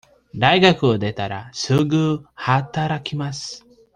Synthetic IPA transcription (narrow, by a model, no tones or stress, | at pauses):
d̪aiɡakɯ̟od̪e̞t̪aɾasɨːɡɯːhat̪aɾakʲimasɨ̥